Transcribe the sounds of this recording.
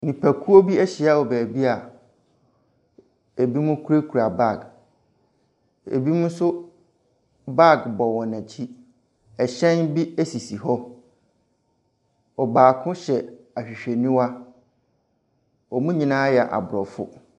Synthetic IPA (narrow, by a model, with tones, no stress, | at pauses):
nĩ˨pʰæ˨kʰu˦o˦bi˦ɛ˦ɕi˨a˦ɔ˨bæː˨bi˦a˨ | e˨bi˦mũ˦kʰu˦ɾe˦kʰu˨ɾa˨ba˦˨ɡ | ḛ˨bi˦mʊ̃˦sʊ˦ | ba˦˨ɡbɔ˨wɔ̃˨nã˨t͡ɕʰi˦ | ɛ˨ɕɛ̃˦nbi˦æ˦si˨si˨ɦɔ˦ | ɔ˨baː˨kʰʊ̃˦ɕɛ˨ | a˨ɕᶣi˨ɕᶣe˨nĩ˦wa˦ | ɔ˨mũ˦ɲĩ˨nãː˦jɛ˨a˨ʔa̰˨bʊ˨ɾɔ˨fʊ̰˦